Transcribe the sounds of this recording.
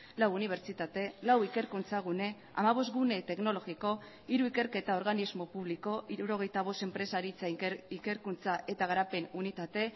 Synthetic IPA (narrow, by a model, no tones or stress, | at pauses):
lawuniβ̞e̞ɾt͡ʃit̪at̪e̞lawike̞ɾkunt͡saɣ̞une̞ | a̰maβ̞o̞st̪ɡune̞t̪e̞kno̞lo̞ɣiko̞ | iɾuike̞ɾke̞t̪ao̞ɾɣanizmo̞puβ̞liko̞ʔiɾuɾo̞ɣ̞e̞jt̪aβ̞o̞st̪empɾe̞saɾit͡saike̞ɾkunt͡saʔe̞t̪aɣ̞aɾape̞nunit̪at̪e̞